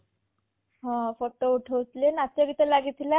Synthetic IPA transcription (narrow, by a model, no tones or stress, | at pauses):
ɦɔ̃foʈouʈʰəwt̪lenat̪jaɡit̪əlaɡit̪ʰila